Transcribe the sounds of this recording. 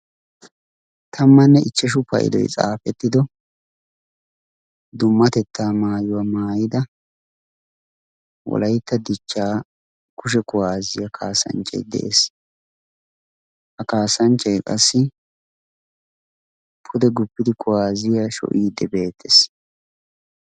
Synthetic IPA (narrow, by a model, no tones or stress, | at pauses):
t̪ʰɐmːɐnːɛʔɪt͡ʃːɛʃ̬ʊpɐ̰ʔɪ̰d̪ɔ̰jt͡sʼa̰ːfɛt̪ːɪd̪ɔ | d̪ʊmːɐt̪ɛt̪ːaːmaːjʊwamaːjɪd̪ɐ | wɔ̰lɐjt̪ːɐd̪ɪt͡ʃːaː | kʊʃ̬ɛkʊwaːzɪjɐkʰaːsɐ̰nt͡ʃʼɛ̰jd̪ɛ̰ʔḛs | hɐkaːsɐnt͡ʃʼːɛjkʼɐsːɪ | pʰʊd̪ɛɡʊpːɪd̪ɪkʰʊwaːzɪjaʃɔ̰ʔiːd̪ːɛbe̞ːt̪ʰːes